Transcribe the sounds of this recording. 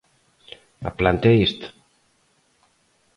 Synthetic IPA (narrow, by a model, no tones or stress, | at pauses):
a̰plant̪eist̪